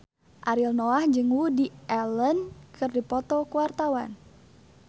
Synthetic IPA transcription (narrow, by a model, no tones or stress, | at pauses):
ʔaɾilnɔahd͡ʒɨŋwudiʔɛlənkʰɨrdipɔt̪ɔkuwart̪awan